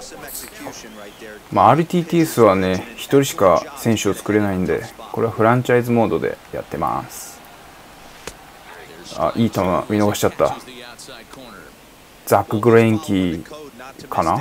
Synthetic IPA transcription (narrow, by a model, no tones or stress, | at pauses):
maaːɾɯ̟t̪ʲiːt̪iːesɨβane̞çi̥t̪o̞ɾʲiɕi̥kasẽ̞ɕɨot͡sɨ̥kɯ̟ɾe̞naĩnd̪e̞̰ko̞ɾe̞aɸɯ̟ɾãɲ̟t͡ɕaizɨmo̞ːd̪o̞d̪e̞̰ja̰t̪ːe̞ma̰sɨ̥ | a̰ʔiːt̪ama̰mʲino̞ɡaɕi̥t͡ɕat̪ːa̰ | d͡zakːɯ̟ɡɯ̟ɾoẽŋkʲi | kʰana